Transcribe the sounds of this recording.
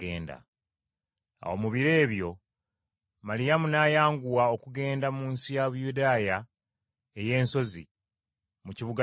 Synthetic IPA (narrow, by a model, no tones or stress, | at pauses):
ḛːnda̰ | a̰o̞muβiɾe̞ːβjo̞ | malijamunaːjaːŋɡuwao̞kuɡe̞ːndamuːnsijaβujudaːja | eje̞ːnso̞zḭ | muciβuɡa